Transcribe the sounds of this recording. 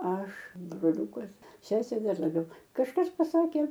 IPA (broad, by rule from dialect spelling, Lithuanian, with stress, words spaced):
ˈɐʃ broːˈlʲuːkɐs ˈsʲæːsʲeː ˈdɐr lˠɐˈbʲɛʊ kɐʃˈkɐs pɐˈsɑːkʲeː